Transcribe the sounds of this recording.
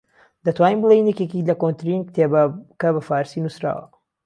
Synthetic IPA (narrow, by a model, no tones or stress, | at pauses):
d̪ɐt̪waːniːmbɨlˠejnjɛkekilɐkont̪ɾinkt̪ʰekɐbɐfaːɾsinusɾa̰ːwɐ̰